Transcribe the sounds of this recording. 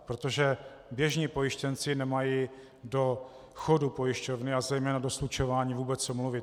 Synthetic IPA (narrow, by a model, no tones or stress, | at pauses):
pɾot̪o̞ʒɛbjɛʒɲiːpo̞jɪʃcɛnt͡sɪnɛmaji | do̞ | xodupo̞jɪʃco̞vnɪazɛjmɛːnadoslut͡ʃo̞vaːɲiːvuːbɛt͡ssomluvɪ